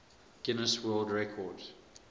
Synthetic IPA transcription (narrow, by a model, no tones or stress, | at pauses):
ɡ̥ɪnəswɜːlˠdɹɛkʰɔd